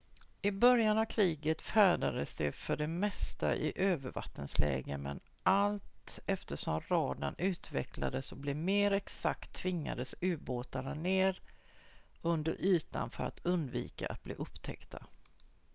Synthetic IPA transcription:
ɪbœɾjanavkʰɾiːɡət̪fæːɖad̪əsd̪ɛfœɖɛmɛst̪a̰ʔɪʔøːvəɾva̰t̪ːənslɛ̰ːɡəmɛn | ʔalt̪ɛft̪əʂɔmɾɑːd̪anʉ̟ːt̪vɛkla̰d̪əsɔblɪmeːɾɛksakt̪ʰːvɪŋːa̰d̪əsʉ̟ːboːt̪aɳaneːɾ | ɵnd̪əɾʔyːt̪a̰nfœɾa̰t̪ʰɵnd̪vḭːkaʔat̪̚blḭːʔɵpːt̪ʰɛ̰kt̪ʰa

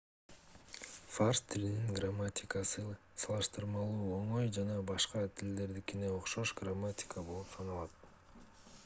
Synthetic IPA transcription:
farst̪ʰːilininɡramːatʲɪkəsɯ | sɑlˠɯʃt̪ɯɾmɑlˠuːo̞ɴo̞jd͡ʒɑnɑbɑʃqɑt̪ʰild̪e̞ɾd̪ikineoqʃoʃɡramːatʲɪ̥kəbo̞lˠupsʰɑnɑlˠɑt̪

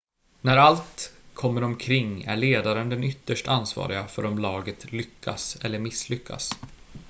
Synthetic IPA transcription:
næɾalt̪kʰɔmːəɾɔmkʰɾɪŋːæ̰ɭeːd̪aɾənd̪ɛnʏt̪ːəʂʈansvɑ̰ːɾɪɡafœɾɔmlɑːɡət̪lʏkʰːa̰sɛlːəɾmɪsːlʏkʰːa̰s

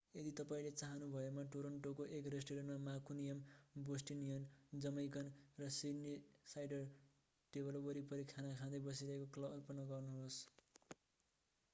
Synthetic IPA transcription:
ed̪it̪ʌpaĩlet͡saɦʌnubʱʌemaʈoɾʌɳʈokoʔekresʈiɾʌnmamakunijʌmbosʈinijʌnd͡zʌmʌjkʌnrʌsinisajɖʌr | ʈebʌlbʌɾipʌɾikʰanakʰãd̪ʌjbʌs̬iɾʌɦekoklʌʌrpʌnʌɡʌrnuɦos

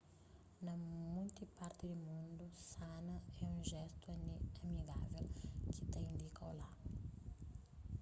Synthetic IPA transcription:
nɐmũjt̪ipaɾt̪id̪umũnd̪usanɐɛũʒɛst̪unamiɡavelkɪt̪ẽj̃nd̪ikola

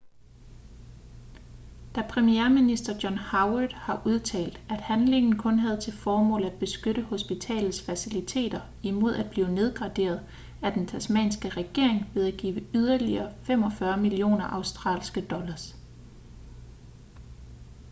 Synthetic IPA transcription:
d̥æpʰʁɛmieɐminisd̥ɐd̥jɒ̽nhɑ̈ʊd̥hɑ̈ʔuð̞ˠt͡sʰɛ̰ːld̥æd̥hænle̝ŋn̩kʰɔ̽nɦæð̞̩ˠt͡sʰe̝lfɒːmɔ̰̽ːlæd̥̚b̥e̝sɡ̥øɾ̥əho̝sb̥it͡sʰɛ̰ːlð̩ˠsfæsilit͡sʰe̝̰ːd̥ɐ | imo̝ð̞ˠæd̥̚b̥liːʊne̝ð̞ˠɡ̥ʁɑ̈d̥e̝̰ːɐð̞̩ˠ | æd̥ent͡sʰæsmɛ̰ːnsɡ̥əʁɛɡ̥e̝ɐ̰e̝ŋʋe̝ðˠæɡ̥ḭːʊʋəyðˠɐliɐːfem̰ɒ̽fɶɐmilio̝̰ːnɐʔɑ̈ʊsd̥ʁɑ̰̈ːlsɡ̥əd̥ɒ̽lɐs

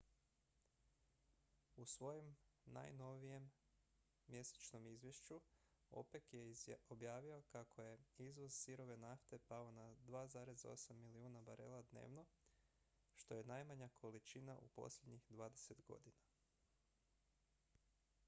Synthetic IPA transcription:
usʋo̞jomna̰jno̞ʋije̞mː | je̞se̥t͡ʃno̞mizʋjeʃt͡ʃu | o̞̰pe̞kjeobjaːʋio̞kakʰo̞je̞izʋo̞z̥siɾo̞ʋe̞naft̪e̞paonad̪ʋaːzaːɾe̞zo̞̰samːiliuːnabaɾḛːlad̪ne̞̰ːʋno̞ | ʃt̪o̞je̞najmaɲakʰo̞lit͡ʃina̰ʔṵpo̞̰sʎʲe̞d̪ɲixd̪ʋaːd̪e̞se̞t̪ɡo̞̰d̪ina

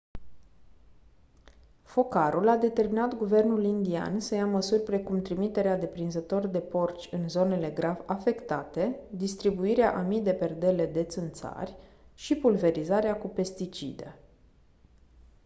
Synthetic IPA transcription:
fo̞kaɾulad̪e̞t̪e̞rminat̪ɡuve̞rnulind̪ia̰nsəjaməsurʲpɾe̞kumt̪ɾimit̪e̞ɾead̪e̞pɾinzət̪o̞rd̪e̞po̞rt͡ʃʲɨnzo̞ne̞le̞ɡɾavafe̞kt̪at̪e̞d̪ist̪ɾibuiɾea̰ʔamid̪e̞pe̞rd̪e̞le̞d̪e̞t̪sɨnt̪sa̰rʲ | ʃipulve̞ɾizaɾeakupe̞st̪it͡ʃḭd̪ḛ

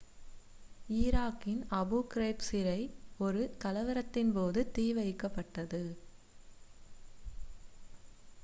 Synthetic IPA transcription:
ɪːɾaːkːɪnɐbuːkɪɾeːpsɪɾɐɪɔɾɯkɐlɐʋɪɾɐt̪ːɪnpoːðɯt̪iːʋɐɪkːɐpːɐʈːɐðɯ

